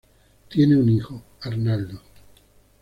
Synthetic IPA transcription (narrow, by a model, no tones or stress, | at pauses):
t̪je̞neunixo | aɾnald̪o